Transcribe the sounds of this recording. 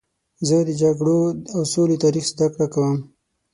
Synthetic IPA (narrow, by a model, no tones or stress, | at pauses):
zəd̪əd͡ʒaɡɽoawsolit̪aɾixzd̪akɽakawəm